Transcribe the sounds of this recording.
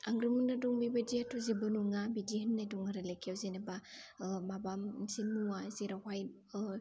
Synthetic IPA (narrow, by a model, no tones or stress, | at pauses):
a̰ŋɡɾɯmɯnːadɔŋbibadiatʰɔzibɯnuŋabidianːajdɔŋaɾalekʰjawzenebamabamsinuwaziɾawaj